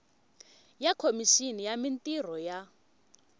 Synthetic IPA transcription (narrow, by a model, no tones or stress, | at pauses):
jakʰomiʃinijamintʼir̤ɔja